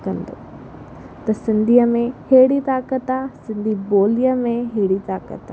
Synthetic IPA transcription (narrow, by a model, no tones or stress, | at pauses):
kɐ̃nd̪o̰ː | t̪ɐsɪ̃nd̪ʱiːəmẽheːɽit̪aːkət̪aːsɪ̃nd̪ʱiboːlijəmẽɦeːɽit̪aːkə̰t̪a